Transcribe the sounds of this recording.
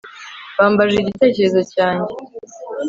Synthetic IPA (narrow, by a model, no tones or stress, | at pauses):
βaːmbaʒeːɟite̞ːce̞ɾezo̞caːɲɟe̞